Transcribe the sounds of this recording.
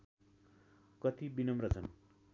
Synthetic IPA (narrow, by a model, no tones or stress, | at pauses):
kʌt̪ibinʌmrʌt͡sʰʌn